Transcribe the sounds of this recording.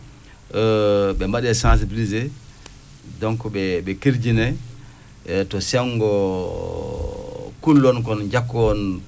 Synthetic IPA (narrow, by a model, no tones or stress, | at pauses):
bɛmaɗɛsãns̬ibilize | dɔŋkɔɓɛɓɛkiɾd͡ʒinɛ | tɔsɛŋɡɔ | kulːɔnk̬ɔnd͡ʒakːɔn